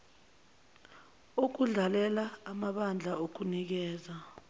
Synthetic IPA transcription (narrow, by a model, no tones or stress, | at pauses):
uk̬uɮalɛlaːmaɓand͡ɮʱaok̬unik̬ɛːza